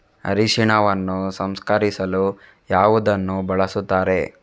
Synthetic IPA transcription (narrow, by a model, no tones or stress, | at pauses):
ɐ̰ɾiʃiɳɐʋɐnːusɐmskɐɾisɐlu | jaːʋud̪ɐnːubɐɭɐsut̪ːaːɾe̞